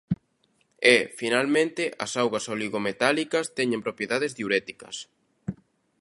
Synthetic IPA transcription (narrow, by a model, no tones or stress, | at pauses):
ɛfinalmẽnt̪ɪʔɐ̰sawɣɐsoliɣomet̪alikɐst̪ɛɲẽmpɾopjeðaðɪzðiuɾɛt̪i̥kɐ̰s